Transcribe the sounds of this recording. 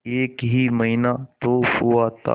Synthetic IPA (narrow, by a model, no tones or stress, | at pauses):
eːkɦimɐɦinat̪ohuat̪a̰